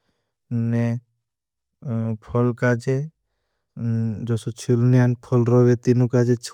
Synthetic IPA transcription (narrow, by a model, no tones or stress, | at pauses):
ne | pʰɔlkad͡ʒe | d͡ʒɔsot͡ʃʰilnianpʰɔlɾɔʋet̪inukad͡ʒet͡ʃʰ